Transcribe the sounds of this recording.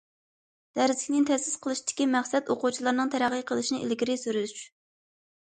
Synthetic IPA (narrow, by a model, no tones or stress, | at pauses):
d̪̥æɾzɪkʲnɪnt̪ʰɛsɪ̥sqʰəlˠɨʃid̪̥ɪ̥kʲimɛχsɛt̪oqut͡ʃʰilˠɑɾnɨŋt̪ʰæɾæʁəqʰəlˠɨʃinɨʔḭlɡʲiɾɪsyɾyyʃ